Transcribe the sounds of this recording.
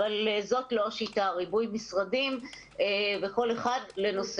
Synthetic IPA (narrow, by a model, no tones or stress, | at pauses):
alezo̞tlo̞ʃitaʁibujmisʁadim | eveko̞le̞χadle̞no̞s